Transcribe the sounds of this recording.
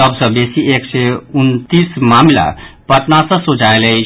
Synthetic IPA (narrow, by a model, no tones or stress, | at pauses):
əbsə̃besiekseunt̪ismamla̰pəʈ̪nasə̃sod͡ʒaeləi